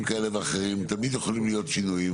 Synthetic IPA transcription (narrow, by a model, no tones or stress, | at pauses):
mkaeleveaχeʁ̞imt̪amid̪jeχolimlijo̞t̪ʃinujim